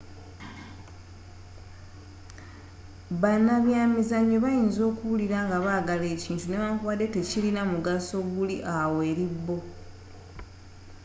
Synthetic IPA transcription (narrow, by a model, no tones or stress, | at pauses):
βanaβjaːmizaɲːeβajiːnzo̞ːkuβuliɾaːŋɡaβaːɡale̞ːciːntune̞βaŋkuβade̞te̞cilinamuɡaso̞βuliʔawe̞ːɾibːo̞